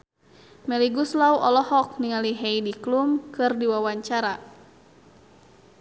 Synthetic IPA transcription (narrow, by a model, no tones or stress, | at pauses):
mɛliɡuslauʔɔlɔhɔk̚niŋaliɦɛidiklumkɨrdiwawaɲt͡ʃaɾa